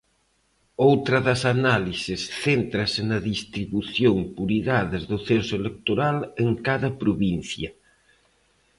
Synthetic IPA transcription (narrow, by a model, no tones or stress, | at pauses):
owt̪ɾɐðɐsanalisɪsθent̪ɾɐsɪnɐðist̪ɾiβuθjoŋpuɾiɣaðɐzðʊθensʊelek̚t̪oɾaleŋkaðɐpɾoβin̟θjɐ